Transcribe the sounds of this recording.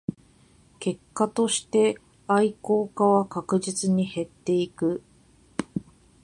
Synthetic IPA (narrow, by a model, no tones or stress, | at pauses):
ke̞kːat̪o̞ɕi̥t̪e̞ | aiko̞ːkaβakakɯ̟ʑit͡sɨɲ̟ihe̞t̪ːe̞ikɯ̟